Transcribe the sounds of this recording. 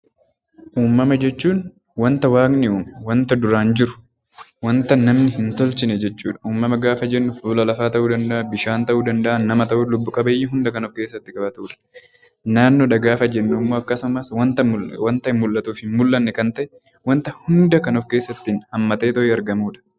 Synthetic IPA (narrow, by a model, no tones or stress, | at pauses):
ʔuːmːɐmɐd͡ʒɛt͡ʃːuːn | wɐnt̪ɐwaːɡnɪuːmwɐnt̪ɐd̪ʊɾaːnd͡ʒɪɾʊ̥ | wɐnt̪ɐnːɐmnɪhɪnt̪ɔlt͡ʃɪnɛd͡ʒɛt͡ʃːṵːᶑɐ̥ʔuːmːɐmɐɡaːfɐd͡ʒɛnːʊfuːlɐlɐfaːt̪ɐʔuːd̪ɐnd̪ɐʔɐbɪʃaːnt̪ɐʔuːd̪ɐnd̪ɐʔɐnːɐmɐt̪ɐʔulʊbːʊkʼɐbɐjɪɦʊnd̪ɐkɐnɔfke̞ːsːɐt̪ːɪkʼɐbɐt̪uːᶑɐ̥ | naːnːoːᶑɐɡaːfɐd͡ʒɛnːʊmːoːɐkːɐsʊmɐswɐnt̪ɐwɐnt̪ɐɪmːʊlːɐt̪uːfhɪnmʊlːɐnːɛkɐnt̪ɐʔɛ | wɐnt̪ɐhʊnd̪ɐkɐnɔfke̞ːsːɐt̪ːɪnhɐmːɐt̪e̞ːt̪ɔʔɪɐɾɡɐmuːᶑɐ̥